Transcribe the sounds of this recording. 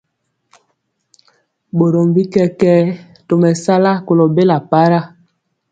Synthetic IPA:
bo˨ɾo˨mbi˦kɛ˦kɛ˦ | to˨mɛ˨sa˦la˦ko˨lo˨be˦la˨pa˦ɾa˦

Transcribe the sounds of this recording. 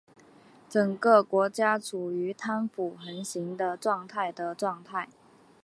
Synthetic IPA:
ʈ͡ʂə˨˩ŋkə˥˧kwɔ˧˥t͡ɕja˥ʈ͡ʂʰu˨˩y˧˥t̪ʰa˥nfu˨˩xə˧˥nɕi˧˥ŋd̪ə˧ʈ͡ʂwɑ˥˧ŋt̪ʰa˥˩ɪd̪ə˩ʈ͡ʂwɑ˥˧ŋt̪ʰa˥˩ɪ

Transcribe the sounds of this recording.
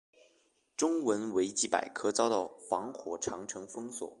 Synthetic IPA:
ʈ͡ʂʊ˥ŋwə˧˥nwe˧˥ɪt͡ɕi˥˩pa̰˨˩ɪkʰɤ˥t͡sɑ˥ʊd̪ɑ˥˨˩ʊxwɑ˧˥ŋxwɔ˨˩ʈ͡ʂʰɑ˧˥ŋʈ͡ʂʰɤ˧˥ŋfɤ˥ŋswɔ̰˨˩˦

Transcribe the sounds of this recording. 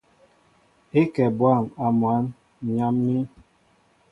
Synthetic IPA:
e˦kɛ˨bwa˦˨ma˨m˨a˨˦n˨ | ɲa˦mːi˦

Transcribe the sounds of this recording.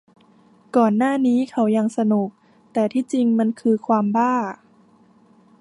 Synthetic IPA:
kɔː˨˩nːaː˥˩niː˦˥kʰa˦˥˩wja˧ŋsa˧nu˨˩k̚ | t̪ɛː˨˩t̪ʰiː˥˩t͡ɕi˧ŋma˧nkʰɯː˧kʰwaː˧mbaː˥˩

